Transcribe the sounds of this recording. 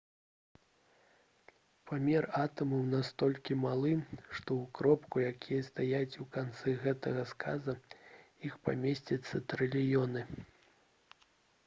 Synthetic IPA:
pamʲɛrat̪ɐmɐwnast̪ɔlʲkʲimalˠɨʂt̪ɔwkɾɔpkujakʲijɐst̪ajat͡sʲukant̪sɛɣɛt̪ɐɣɐskʰazɐ | ixpa̰mʲesʲt͡sʲɐt̪sːɐt̪ɾɨlʲijɔnɨ

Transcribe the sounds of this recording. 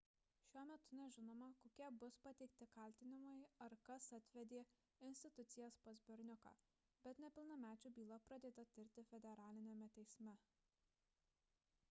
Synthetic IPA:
ʃʲuɔmʲɛt̪ʊnʲɛʒʲɪnoːmɐkoːkʲiɛbʊspɐt̪ʲɛɪkt̪ʲɪkɐlʲt̪ʲɪnʲɪmojɐɾkɐsɐt̪ʲʋʲɛd̪ʲeː | ɪnʲsʲt̪ʲɪt̪ʊt̪sʲɪjɛspɐzʲbʲɛɾʲnʲʊkɑ̰ː | bʲɛt̪nʲɛpʲɪlˠnɐmʲæːt͡ʃʲuːbʲiːlˠɐpɾɐd̪ʲeːd̪ɐt̪ʲɪɾʲt̪ʲɪfʲɛd̪ʲɛɾɑːlʲɪnʲɛmʲɛt̪ʲɛɪsʲmʲɛ

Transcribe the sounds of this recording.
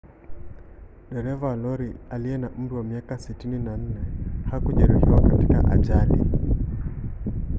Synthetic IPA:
ɗɛɾɛvalɔɾialiɛnaʔm̩ɾiwamiakasitininan̩nɛhakuʄɛɾihiwakatika̰ʔa̰ʄalḭ

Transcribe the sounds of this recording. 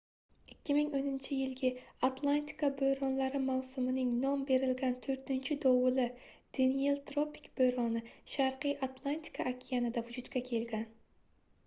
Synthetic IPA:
ɪkʲːɪmɪŋonɪnt͡ʃʰɪjɪlɡʲɪat̪lˠant̪ʰi̥kabøjɾonlˠaɾɪmawsʊmɪnɪŋnombe̞ɾɪlɡʲant̪ʰɵɾt̪ɪnt͡ʃʰɪd̪owʊlˠɪ | d̪̥enijelˠt̪ɾopi̥kb̥øjɾonɪʃaɾqɨjʔat̪lˠant̪ʰi̥kʰaʔːkʲʰijanɪd̪avʊd͡ʒut̪kʲakʲʰelɡʲæn

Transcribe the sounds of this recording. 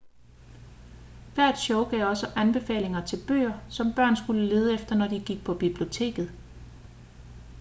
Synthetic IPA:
ʋæɐ̰d̥ɕɔʊɡ̥ɛʊ̰ɒ̽səʔænb̥e̝fɛ̰ːle̝ŋɐt͡sʰe̝lb̥ø̰ɐsɒ̽mb̥ɶɐ̰nsɡ̥uləle̝ːð̞ˠəefd̥ɐnɒd̥iɡ̥iɡ̥̚pʰɒ̽b̥ib̥lio̝t͡sʰe̝̰ːɡ̥ð̞̩ˠ

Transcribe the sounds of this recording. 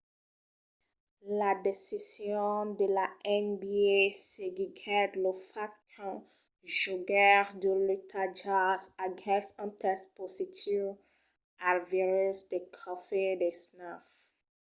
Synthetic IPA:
ladesisjɔ̃ndelaʔɛ̃nbieseɡiɡɛdlofaktʰɔ̃ | ʒuɡɛʁdulutʰad͡ʒasaɡɛ̃sãntʰɛspositʰiv | alviɹusdekʰɔfedesnaf

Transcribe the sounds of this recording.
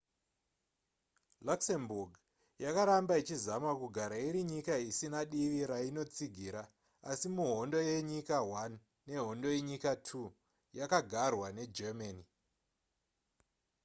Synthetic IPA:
laksemburɡʱ | jakaɾambait͡ʃizamakuɡʱaɾaiɾiɲikaisinaɗiʋiɾaino̞t͡siɡʱiɾaː | simuɦo̞ndo̞je̞ɲikawanː | e̞ɦo̞ndo̞jeɲikatʰu | jakaɡʱarwane̞d͡ʒemani

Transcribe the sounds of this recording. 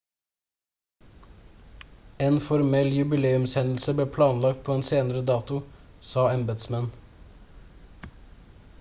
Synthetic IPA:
eːnfɔɾmɛljʉbɪleːʉmsɛnl̩səbleːpʰlɑːnlɑk̚t̪̚pʰoːeːnseːnəɾəd̪ɑːt̪ʊsɑːɑmbəd̪smɛn

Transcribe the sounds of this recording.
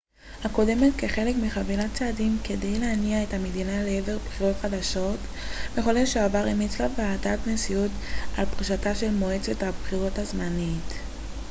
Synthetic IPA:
hako̞de̞me̞tke̞χe̞le̞kmiχavilat͡saːdimke̞dejleaniae̞thamedinaleeve̞ʁbχiʁo̞tχadaʃo̞t | meχoleʃeavaʁimit͡slaveaːtatnesiut | alpʁiʃataʃe̞lmo̞et͡sethabχiʁo̞thazmanit

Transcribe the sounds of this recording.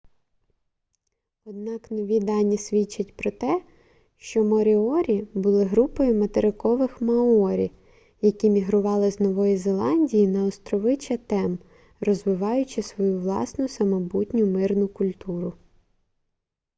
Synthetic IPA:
ɔd̪̚nɑknɔʋʲid̪ɑnʲːisʲʋʲit͡ʃːɐtʲpɾɔt̪ɛ | ʃt͡ʃɔmɔɾʲɪɔɾʲibʊlˠɪɦɾupɔjʊmɐt̪eɾɪkɔʋɪxmɐɔɾʲḭ | jɐkʲimʲiɦɾʊʋɑlˠɪznɔʋɔjizelˠɑnʲdʲijinɐɔst̪ɾɔʋɪt͡ʃɐt̪ɛm | rɔzʋɪʋɑjʊt͡ʃɪsʋɔjuʋlˠɑ̰snʊsɐmɐbutʲnʲʊmɪrnʊkʊlʲt̪uɾʊ

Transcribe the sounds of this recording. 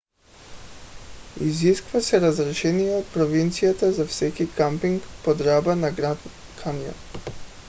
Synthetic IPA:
iziskvasɛɾazɾɛʃɛnijɛot̪̚pɾɔvint̪sijat̪azafsɛkikampiŋkpɔd̪ɾabanaɡɾa | kʰanja̰n

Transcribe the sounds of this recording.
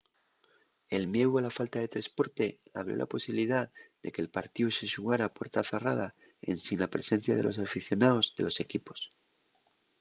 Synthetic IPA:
e̞lmje̞walafalt̪aðe̞t̪ɾespo̞ɾt̪e̞aβ̞ɾjo̞̰la̰po̞siβiliðaðe̞̰ke̞ːlpaɾt̪iuse̞ʃuɣaɾaːpwe̞ɾt̪aθerað̞a | ḛnsinlapɾe̞se̞n̟θjað̞e̞lʔo̞safiθjo̞naozðe̞lo̞se̞kipo̞̥s

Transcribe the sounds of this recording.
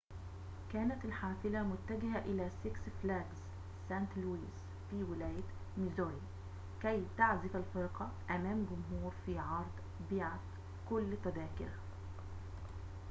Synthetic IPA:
kæːnæt̪ɪlħaːfɪlamʊt̪ːæɡɪhæʔɪlæːsɪksflæɡzː | æːnt̪luːiːs | fiːwɪlæːj | mɪzoːɾi | kæjt̪aʕzɪfalfɪɾqɑʔæmæːmɡʊmɦuːɾfiːʕɑɾˤd̪ˤ | biːʕat̪ | kʊlːt̪æd̪æːkɪɾ

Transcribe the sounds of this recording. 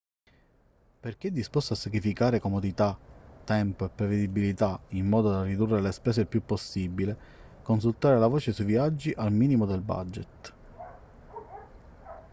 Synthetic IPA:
perk̟eɛd̪ːispɔst̪oasːakɾifikaːɾekomod̪it̪at̪ːɛmpoepːɾeved̪ibːilit̪aimːɔːd̪od̪arid̪urːelespɛːs̬eilpjupːosːibile | kons̬ult̪aːɾelavɔːt͡ʃesujviad͡ʒːiʔalmiːnimod̪elba̰d͡ʒet̪

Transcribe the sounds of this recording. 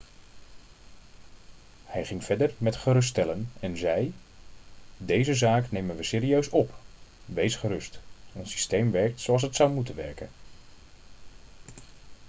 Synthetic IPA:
hɛjχɪŋv̥ɛɹdəɹmɛtχəɾɵs̬tɛlənɛnzɛj | dejzəzaːknejmənʋəsɪːɾiøɥsɔpʋejsχərɵstɔnsi̥stejmʋɛɹk̚tsowɑlˠs̬ɦətsʌwmutənʋɛ̰ɹkə̰n

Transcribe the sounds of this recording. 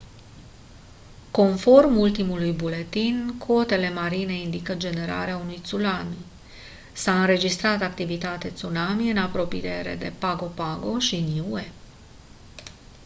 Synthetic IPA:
ko̞nfo̞rmult̪imulujbule̞t̪inkʰo̞t̪e̞le̞maɾine̞ind̪ikəd͡ʒe̞ne̞ɾa̰ɾeaunujt̪sulami | saɨnɾe̞d͡ʒist̪ɾat̪akt̪ivit̪at̪e̞t̪sulamiɨnapɾo̞pijeɾe̞̰d̪e̞̰paɡo̞paɡo̞ʃinuue

